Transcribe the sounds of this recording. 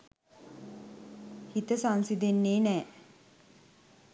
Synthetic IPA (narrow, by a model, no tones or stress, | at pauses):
hit̪əsansid̪enːeːnɛː